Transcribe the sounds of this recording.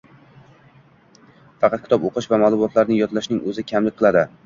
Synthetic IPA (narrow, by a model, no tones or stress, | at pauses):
fɑqɑt̪̚ʲʰɪt̪ɒpoqʰɨʃvamalˠʊmɒt̪laɾnɪŋjɒt̪ʰlaʃnɪŋɵzɪkʲʰamlɪk̚ʲqʰɨlˠad̪ɪ